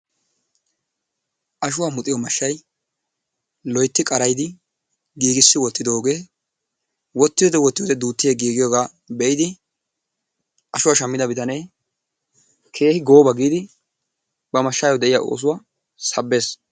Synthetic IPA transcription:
ʔɐʃʊwaːmʊt̪ʼɪjɔmɐʃːɐj | lɔjt̪ːɪkʼɐɾɐjd̪ɪ | ɡiːɡɪsːɪwɔt̪ːɪd̪o̞ːɡe̞ː | wɔt̪ːɪd̪ɔd̪ɛwɔt̪ːɪjod̪ɛd̪uːt̪ːɪjeɡiːɡɪjoːɡaː | bɛʔɪd̪ɪ | ʔɐʃʊwaʃɐmːɪd̪ɐbɪt̪ɐnɛj | kʰe̞ːhɪɡo̞ːbɐɡiːd̪ɪ | bɐmɐʃːaːjɔd̪ɛʔɪja̰ʔo̰ːs̬ʊwaː | sɐbːe̞ːs

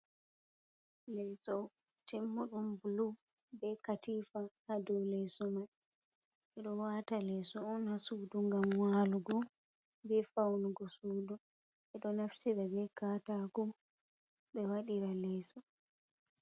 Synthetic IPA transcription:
lɛsɔtɛmːuɗumbulubɛkatiːfahadɔwlɛsɔma | ʔɛɗɔwaːtalɛsɔːnhasuːduŋɡamwaːluɡɔ | bɛfawnuɡɔsuːdu | ɛɗɔnaftiɾabɛkaːtaɡɔ | ɓɛwaɗiɾalɛːsɔ

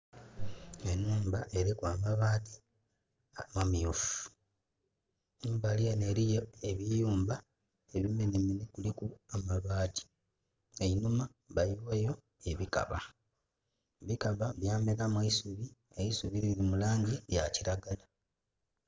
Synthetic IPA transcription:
enuːmbaʔe̞ɾikwaːmaβati | mamiufu̥ | numbalijaneɾijoeβijuːmba | eβimeneminekulikuamaβaːɟi̥ | einuma | βajiβwejo̞ | eβika̰βa̰ | βikaβaβjaːmelamweisuβi | eisuβiɾiɾimulaːɲɟija̰ciɾaɡala

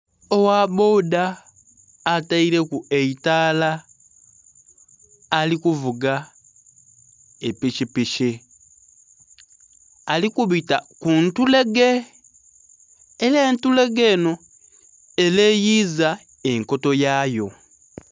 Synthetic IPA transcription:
owaβoːdaː | taiɾe̞kueitaːla | likuvuɡa | epiʃipiʃi | alikuβitakuntule̞ɡe̞ | leːntule̞ɡeːno̞ | eleːjiːza | e̞ŋko̞to̞jaːjo̞

